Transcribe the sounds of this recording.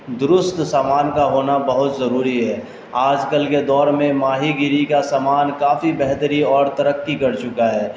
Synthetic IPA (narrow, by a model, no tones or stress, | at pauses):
d̪ʊɾʊst̪saːmaːnkaɦoːnabɐɦʊt̪zɐɾuːɾiɦɛː | aːd͡ʒkəlked̪ɔːɾmẽmaːɦiɡɪɾikasaːmaːnkaːfibɛɦt̪əɾiɔːɾt̪ɐɾəkːikɐɾt͡ʃʊkaɦɛː